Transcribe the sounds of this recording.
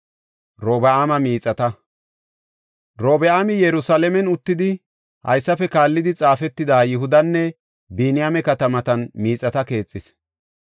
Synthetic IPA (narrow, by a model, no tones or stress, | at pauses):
ɾoːbɛaːmɐmiːt͡sʼɐt̪ɐ | ɾoːbɛaːmɪjɛɾʊsalɛmɛnʊt̪ːɪd̪ɪ | hɐ̰jsːɐfɛkaːlːɪd̪ɪt͡sʼaːfɛt̪ːɪd̪aːjɪɦʊd̪ɐnːɛ | biːnɪjamɛkɐt̪ɐmɐt̪ɐnmiːt͡sʼɐt̪ɐke̞ːt͡sʼːɪs